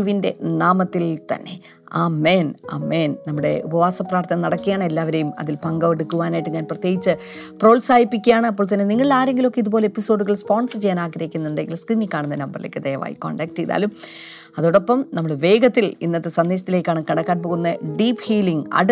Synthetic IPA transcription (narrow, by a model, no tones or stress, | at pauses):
uʋinde̞naːmɐt̪ːilt̪ɐ̰nːe̞̰ | aːmeːna̰ːmeːnnɐmːuɽe̞̰ubɐʋaːsɐpraːrt̪ʰɐnɐnɐɽɐkːijaːɳɨelːaːʋɐɾejumɐ̰ðilpɐŋɡɐʋeɽukːuʋaːnaːjʈːɨɲaːnprɐt̪jeːɡit͡ɕːɨ | pro̞ːlsaːjipːikʲːujaːɳɨɐp̬ːoːɭt̪ɐnːe̞niŋːɐɭilaːɾe̞ŋɡilo̞kːeiðupoːleepːiso̞ːɖuɣɐɭspo̞ːnsɐt͡ɕejaːnaːɡɾɐjikʲːunːɐed̪eŋɡilskriːnikːaːɳunːɐnɐmbɐrilḛːkːɨd̪eːɐʋa̰ːjḭkːo̰ːɳɖaːk̚tejða̰ːlum | ɐðoːɽo̞pːɐmnɐmːuɽeʋe̞ːɡɐt̪ːilinːɐt̪ːesɐnd̪eːɕ̬ɐt̪ːile̞ːkʲːaːɳakɐɽɐkːaːnp̬o̞ːɣunːɐɖiːphiːliŋɡɐ̰ɽ